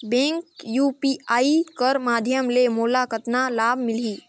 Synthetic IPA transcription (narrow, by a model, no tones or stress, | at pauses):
bẽːŋkjuːpiːaːikəɾmaːd̪ʱjəmlemoːlakət̪nalaːbʱmɪliː